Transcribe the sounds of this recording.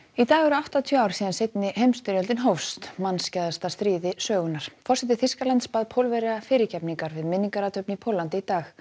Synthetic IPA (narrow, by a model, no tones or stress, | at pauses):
it̪aːɣɛɾʏawht̪at̪ʰiœaːwɾ̥siːðansejt̪nɪhejmst̪ʏɾjœlt̪ɪnɦowfst̪manscaðast̪ast̪ɾiːðɪsœːɣʏnaɾ̥fɔrsɛt̪̬ɪθiskalant̪spaːðpʰowlvɛɾɪafɪːɾɪcʰɛpniŋkaɾvɪðmɪniŋkaɾat̪ʰœpnɪpʰowlːant̪ɪit̪aːx